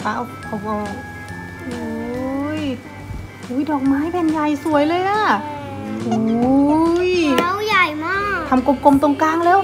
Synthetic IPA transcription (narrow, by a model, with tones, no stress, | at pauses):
wa˧˥˩wkʰa˧˩bɔ˧˩ | ʔu˧˦j | huː˧˥jdɔː˨˩k̚maː˧˥˨jpʰɛ˧˨nja˧˩jsu˨˩˦əjlɤː˧jlaː˧˥˩ | ʔu˧ | ja˧˨wja˨˩jmaː˧˥t̪ʰa˧mko˧mko˧mt̪o˧ŋkaː˧˥˨ŋleː˧˥w